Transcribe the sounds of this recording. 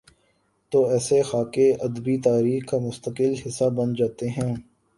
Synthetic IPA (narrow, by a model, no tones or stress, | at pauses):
t̪oːɛːsexaːkeɐd̪bit̪aːɾiːxkamʊst̪əkɪlɦɪsːabɐnd͡ʒaːt̪eɦɛ̃ː